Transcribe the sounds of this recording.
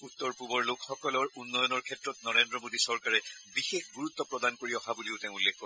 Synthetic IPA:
ut̪ːɔɹpubɔɹlokxɔkɔlɔɹunːɔjɔnɔɹkʰɛtɹɔtnɔɹendɹɔmodisɔɹkaɹɛbixexɡuɹut̪ːɔpɹɔdankoɹiɔɦabuliʊteʊ̃ulːekkɔɹ

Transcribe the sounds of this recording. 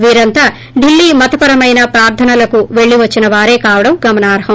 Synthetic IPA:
ʋiːɾɐnt̪aː | ɖilːiːmɐt̪ɐpɐɾɐmɐjnɐpɾaːɾt̪ʰɐnɐlɐkuʋe̞ɭːiʋɐt͡ʃːinɐʋaːɾe̞ːkaːʋɐɽɐmɡɐmɐnaːɾɦɐm

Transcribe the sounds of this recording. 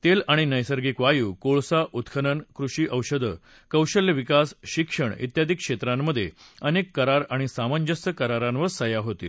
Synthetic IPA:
t̪elaɽ̃inəjsəɾɡiːkʋajuːkoɭsaʔut̪kʰənənkɾuɕiːʔəwɕəd̪ʱə | kəwɕəljəʋikasɕikʂəɳḭt̪jad̪ʱikʂet̪ɾãmːəd̪ʱːjḛənekːəɾaɾaɽ̃isaməɲd͡ʑəst̪əkəɾaɾãnʋəɾsəjaɦot̪ḭːl

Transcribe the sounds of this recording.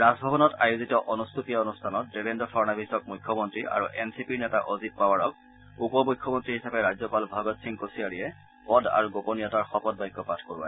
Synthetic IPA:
ɹazbʱɔbɔnɔtajuzitɔʔɔnustʰutijaonustʰanɔt̚debendɔfʰɔɹnabʱisɔk̚mujkʰːɔmɔntɹiʔa̰ɹuʔɛnsipiɹnɛtaʔozit̚pawaɹɔk̚ | upɔmʊjkʰːɔmɔntɹiɦisapɛɹazɔpalbʱaɡɔtsiŋkosiaɹiɛ | pɔda̰ɹuɡoponiɔtaɹxɔpɔd̚bɔjkːɔpatʰkoɹia̰

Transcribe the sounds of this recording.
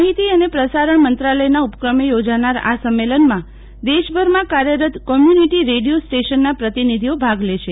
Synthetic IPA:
aɦit̪iənepɾəsaɾəɳmənt̪ɾaləjnaupkɾəmejod͡ʒanaɾa̰səmːelənmã | d̪eʃbʱəɾmãkaɾjəɾət̪kɔmjuniʈiɾeɽijosʈeʃənːapɾət̪inid̪ʱiobʱaɡleʃe

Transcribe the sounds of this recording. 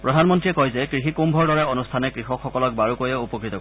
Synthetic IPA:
pɹɔdʱanmɔntɹiɛkɔjzɛkɹixikumbʱɔɹdɔɹɛonustʰanɛkɹixɔkxɔkɔlɔk̚baɹukojɛupɔkɹit̪ɔko

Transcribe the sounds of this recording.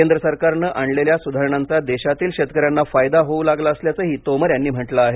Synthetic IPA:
kend̪ɾəsəɾkaɾnəʔaɳleljasud̪ʱaɾəɳant͡sad̪eɕat̪iːlɕet̪kəɾjanːafajd̪aɦoulaɡlaəsljat͡səɦiːt̪oməɾjanːiːm̤əʈlaaɦe

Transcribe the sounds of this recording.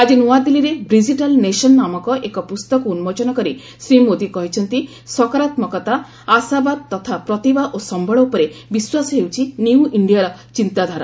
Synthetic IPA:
ad͡ʒinuwad̪iliɾebɾid͡ʒiʈalnesɔnːamɔkɔʔekɔpust̪ɔkɔunmɔd͡ʒɔnɔkɔɾi | sɾimod̪ikɔɦit͡ʃʰɔnt̪i | sɔkɔɾat̪mɔkɔt̪aː | sabad̪t̪ɔt̪ʰapɾɔt̪ibaʔosɔmbʱɔɭɔupɔɾebiswasɔɦewt͡ʃʰiniw̃ʔiɳɖijaɾɔt͡ʃint̪ad̪ʱaɾɔ

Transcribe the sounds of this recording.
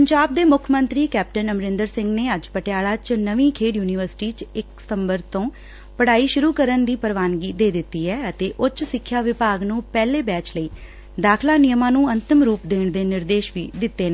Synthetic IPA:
pəɲd͡ʒaːb̚d̪eːmʊkʰmənt̪ɾiːkɛːp̚ʈənəmɾɪ̃nd̪əɾsɪ̃ŋɡneːəd͡ʒpəʈejaːlaːt͡ʃnəʋĩːkʰeːɖjuːnɪʋəɾsʈiːt͡ʃɪkst̪əmbəɾt̪õː | pəɽ̤aːiːʃʊɾuːkəɾənd̪iːpəɾʋaːnɡiːd̪eːd̪ɪt̪ːiːɦɛːət̪eːʔʊt͡ʃsɪkʰːjaːʋɪpaːɡnũːpɛːleːbɛːt͡ʃləiː | d̪aːkʰlaːnɪjəmãːnũːənt̪ɪmɾuːpd̪eːɳd̪eːnɪɾd̪eːʃʋiːd̪ɪt̪ːeːnə̃ː

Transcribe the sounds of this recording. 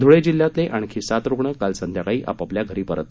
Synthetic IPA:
d̪ʱuɭed͡ʑilːjat̪leʔaɳ̃kʰiːsat̪ɾoɡɳəkalsənd̪ʱjakaiːʔa̰papljaɡʱəɾiːpəɾət̪

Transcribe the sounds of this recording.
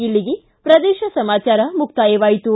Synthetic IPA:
iɭːiɡi | pɾɐd̪eːʃɐsɐmaːt͡ʃaːɾɐmuk̚t̪aːjɐʋaːjit̪u

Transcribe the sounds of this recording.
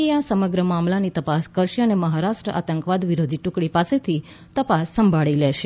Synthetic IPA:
easəməɡɾəmamlanit̪əpaskəɾʃeəneməɦaɾaʃʈɾəʔa̰t̪əŋkʋad̪ʋiɾod̪ʱiʈũkɽipaset̪ʰi | t̪əpasːəmbʱaɭilɛʃe

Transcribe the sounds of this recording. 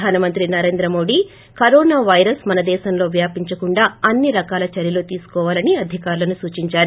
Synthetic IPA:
aːnɐmɐnt̪ɾinɐɾeːnd̪ɾɐmo̞ːɖi | kɐɾɔːnaːʋɐjɾɐsmɐnɐd̪ɛːʃɐmlo̞ːʋjaːpiɲt͡ʃɐkuɳɖaːɐnːiɾɐkaːlɐt͡ʃɐɾjɐloːt̪iːsu̥kɔːʋaːlɐniɐd̪ʱikaːɾulɐnusuːt͡ʃiɲt͡ʃaːɾu

